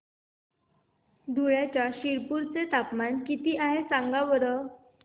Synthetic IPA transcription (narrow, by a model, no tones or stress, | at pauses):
d̪ʱuɭjat͡ɕjaɕiɭpuɾt͡set̪apmankit̪iːʔaɦesaŋɡaʋəɾə